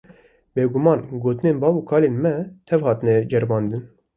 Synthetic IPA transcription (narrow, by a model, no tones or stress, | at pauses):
beːɡumɑːnɡoːt̪ɨneːnbɑːbuːkʰɑːleːnmɛt̪ʰɛvhɑːt̪ɨnɛd͡ʒɛɾbɑːnd̪ɨn